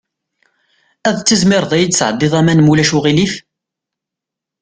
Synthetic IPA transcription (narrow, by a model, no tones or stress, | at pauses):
æðt͡sːəzmɪɾˤðˤæjd̪sʕəd̪ˤːɪðˤæmænmulæʃuʁilif